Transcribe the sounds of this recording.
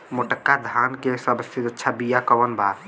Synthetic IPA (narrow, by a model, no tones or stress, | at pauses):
moʈəkːad̪ʱaːnkesəbəsid͡ʒ̪ətːʃʰabijakəʋənbʱaːɾ